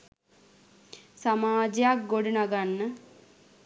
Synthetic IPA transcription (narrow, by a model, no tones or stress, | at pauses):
samaːd͡ʒejak̚ɡoɖunaɡanːə